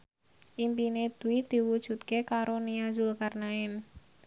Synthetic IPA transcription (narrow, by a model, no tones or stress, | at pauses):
ʔimpined̪̥uwid̪̥i̤wud̥ʒ̥ṳt̪̚kekaɾoniazulkarnaɪn